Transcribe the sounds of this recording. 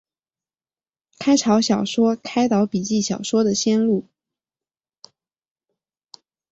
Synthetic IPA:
kʰa˥ɪʈ͡ʂʰɑ˧˥ʊɕjɑ˨˩ʊʂwɔ˥kʰa˥ɪt̪ɑ˧˥ʊpi˨˩t͡ɕi˥˩ɕjɑ˨˩ʊʂwɔ˥d̪ə˨ɕjɛ˥nlu˥˩

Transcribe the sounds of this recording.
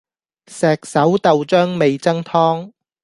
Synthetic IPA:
sɛː˨˩k̚sɐ˨˥wt̪ɐ˨wt͡ʃœː˥ŋme˨jt͡sɐ˥ŋt̪ʰɔː˥ŋ

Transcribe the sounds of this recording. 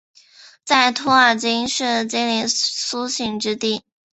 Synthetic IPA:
t͡sa˥˩ɪt̪ʰɔ˥ə˞˨˩t͡ɕi˥ŋʂɻ̩˥˩t͡ɕi˥li˧˥˩su˥ɕi˥˩ŋʈ͡ʂɻ̩˥t̪i˥˩

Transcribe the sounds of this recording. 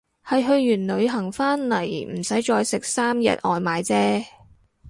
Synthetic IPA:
hɐ˨jɦɵ˧ɥːyː˨˩nlɵ˨˧ɥɦɐ˨˩ŋfaː˥nlɐ˨˩jm̩˨˩sɐ˨˥jt͡ʃɔː˧jsɪ˨k̚saː˥mjɐ̰˨t̚ʔɔː˨˧jmaː˨˧jt͡sɛː˥

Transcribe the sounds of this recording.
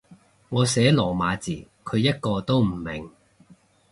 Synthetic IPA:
ŋɔː˨˧sɛː˨˥lɔː˨˩maː˨˧t͡siː˨˩ | kʰɵ˨˧ɥjɐ˥t̚kɔː˧t̪o˥wm̩˨˩mɪ˨˩ŋ

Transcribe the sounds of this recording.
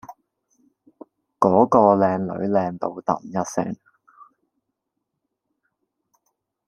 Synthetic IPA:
kɔː˨˥kɔː˧lɛː˨˧ŋlɵ̰˨˥ɥlɛː˧ŋt̪o˧wt̪ɐ̰˨˩mjɐ˥t̚sɪ̰˥ŋ

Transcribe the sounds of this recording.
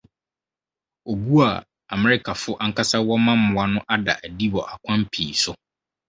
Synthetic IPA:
o˨bu˦a̰˨ | a˨mɪ˨ɾɪ˦kʰa˨fʊ˦ʔa˦ŋ˦kʰa˦sa˦wɔ˦mã˦m̩˦ʊ̃˨a˦nʊ̃˦ʔa˦da̰˨ʔæ˨di˦wɔ˨ʔa˨kʷʰã˦m˦pʰiː˨sʊ˦

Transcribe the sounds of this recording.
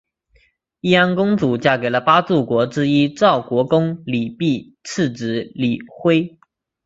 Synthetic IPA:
i˥˩a˥nkʊ˥ŋt͡su˨˩t͡ɕja˥˩ke˨˩ɪlə˧pa˥t͡su˥˩kwɔ˧˥ʈ͡ʂɻ̩˥i˥ʈ͡ʂɑ˥˩ʊkwɔ˧˥kʊ˥ŋli˨˩pi˥˧ | t͡s̩ʰ˥˩ʈ͡ʂɻ̩˧˥li˨˩xwe˥ɪ

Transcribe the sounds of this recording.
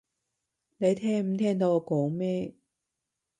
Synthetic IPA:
ne˨˧jt̪ʰɛː˥ŋm̩˨˧˥t̪ʰɛː˥ŋt̪̬o˧wkoː˨˥ŋmɛː˥

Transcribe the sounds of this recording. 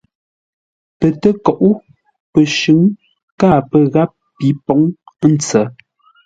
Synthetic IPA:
pə˨tə˦kɔ˨ʔu˦ | pə˨ʃʉ˨˦ŋ | ka˦˨pə˨ɣa˦p̚ːi˨˦pɔ˨˦ŋ˦n̩˨t͡sə˨˦

